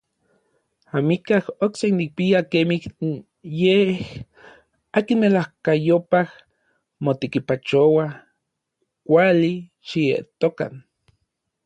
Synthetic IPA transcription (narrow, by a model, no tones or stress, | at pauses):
amikahoksenik̚piakemih | jeh | akinmelahkajopah | mot̪ekipat͡ʃowa | kʷali | ʃiḛʔt̪oka̰n